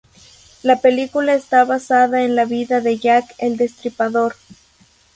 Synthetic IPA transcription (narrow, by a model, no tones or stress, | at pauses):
lape̞likulaest̪aβasaðaenlaβiðaðe̞ʝakeld̪e̞st̪ɾipaðo̞ɾ